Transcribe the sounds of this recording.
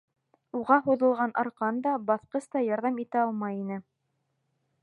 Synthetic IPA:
uʁɑɦuðɤ̆lˠʁɑnʔɑ̰ɾqɑnd̪ɑbɑθqɤst̪ɑjɑɾðɑmit̪ɘɑlˠmɑjinɘ

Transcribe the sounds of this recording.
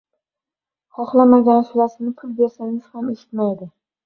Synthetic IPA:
χɒχlˠamaɡʲansʊlasɪnɪpʰʊlˠbe̞ɾsanɪʃhameʃɪ̥t̪majd̪ɪ

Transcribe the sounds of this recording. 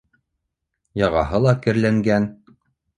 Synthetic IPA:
jɑʁɑɦɤlˠɑkɘ̆ɾlæŋɡæn

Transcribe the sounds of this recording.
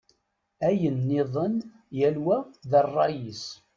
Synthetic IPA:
æjənːɪðˤən | jælwæðərˤːɑjis

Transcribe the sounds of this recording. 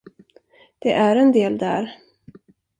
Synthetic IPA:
d̪̥ɛʔæɾɛnd̪eːld̪æ̰ɾ

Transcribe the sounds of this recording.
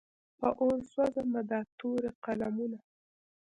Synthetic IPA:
pəʔolswazamad̪at̪oɾeqalamuna

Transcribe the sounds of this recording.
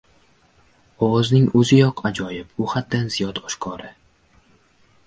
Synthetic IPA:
ɒwɒznɪŋɵzɪjɒqʰad͡ʒɒjɪpʊhad̪̚ːanzijɒd̪ɒʃkʰɒɾɪ

